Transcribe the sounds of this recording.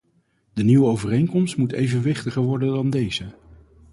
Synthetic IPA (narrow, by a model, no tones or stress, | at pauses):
dəniwəowvərejŋkɔmstmutejvənʋɪχtəχəɹʋɔɹdəndɑndejzə